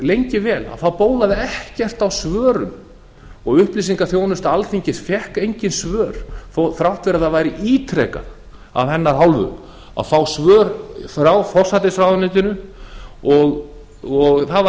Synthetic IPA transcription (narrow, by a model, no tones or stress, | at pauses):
lejɲcɪvɛːla̰ðfawpoːwlaðɪɛhcɛr̥t̪awsvœːɾʏ̰m | ɔɣʏhpliːsiŋkaθjownʏst̪aalθiɲcɪsfjɛhkejɲcɪnsvœːɾ̥θθɾawt̪vɪɾaðaðvajɾɪʔiːt̪ʰɾɛ̰ːka̰ð | a̰vhɛnːaɾ̥ɦawlvʏ̰ | a̰ðfaːwsvœːɾfɾawfɔr̥sat̪ɪsfɾawnɪːt̪ɪnʏ | ɔɣ | ɔɣθava